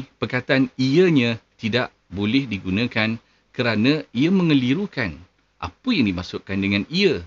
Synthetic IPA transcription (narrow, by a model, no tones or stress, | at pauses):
pərkat̪aniəɲãt̪idaʔ | bolɪhdiɡunãkan | kəɾanãiamə̃ŋə̃liɾukan | ʔa̰pəjaŋdimãsʊʔkandəŋãniə